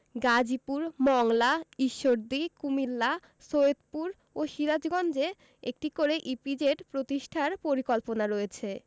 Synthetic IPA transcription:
ɡad͡ʑipuɾmɔŋlaiʃːoɾd̪ikumilːa | soed̪puɾ | oʃiɾad͡ʑɡɔnd͡ʑe | ek̚ʈikoɾeʔipid͡ʑeʈpɾot̪iʃʈʰaɾpoɾikolponaɾoet͡ɕʰe

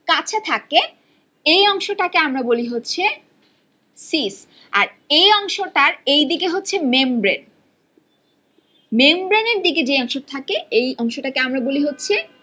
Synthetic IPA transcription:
kat͡ɕʰat̪ʰake | ejɔŋʃoʈakeamɾaboliɦotːɕʰe | sis | a̰ɾ | ejɔŋʃoʈaɾejd̪ikeɦotːɕʰemembɾen | membɾeneɾd̪iked͡ʑeɔŋʃoɾt̪ʰakeejɔŋʃoʈakeamɾaboliɦotːɕʰi

